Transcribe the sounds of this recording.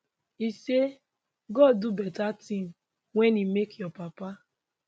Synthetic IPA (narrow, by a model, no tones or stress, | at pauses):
ise | ɡɔddubɛtatĩm | wɛnimekjɔpapa